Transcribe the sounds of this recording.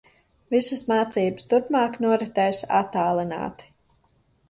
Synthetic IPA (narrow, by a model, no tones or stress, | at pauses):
visəsmaːt̪siːbəst̪uɾpmaːknuɔɾɛt̪ɛjsa̰t̪ːaːlˠina̰ːt̪i̥